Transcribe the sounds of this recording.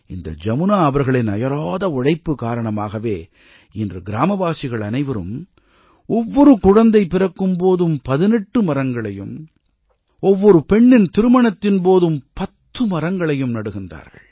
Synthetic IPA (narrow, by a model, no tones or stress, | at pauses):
ɪnd̪ɐ̰d͡ʒɐmɯnaːɐʋɐɾɣɐɭɪnɐ̰jɐɾoːðɐɔɻɐɪpːɯkaːɾɐɳɐmaːɣɐʋeː | ɪndrɯɡɪɾaːmɐʋaːsɪɣɐɭɐnɐɪʋɐɾɯ̰m | ɔʋːɔɾɯkʊɻɐnd̪ɐɪpɪrɐkːɯmpoːðɯmpɐðɪnɛʈːɯmɐɾɐŋɡɐɭɐjɯ̰m | ɔʋːɔɾɯpɛɳːɪnt̪ɪɾɯmɐɳɐt̪ːɪnpoːðɯmpɐt̪ːɯmɐrɐŋɡɐɭɐjɯmnɐɽɯɣɪndra̰ːɾɣɐ̰ɭ